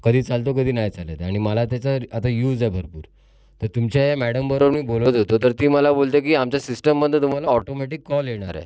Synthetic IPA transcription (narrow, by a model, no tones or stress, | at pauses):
kəd̪ʱiːt͡salt̪̬okəd̪ʱiːnajt͡sala̰t̪aɽ̃iməlat̪jat͡saat̪ajuːd͡zaɛbʱəɾpṵːɾ | t̪əɾt̪umt͡ɕjajamæɽəmbəɾoʋmiːbolt̪ot̪ot̪əɾt̪iːməlabolt̪ek̬iːamt͡ɕjasisʈəmːəd̪ʱjət̪um̤alaɔʈomɛʈikːɔljeɽ̃aɾɛ̰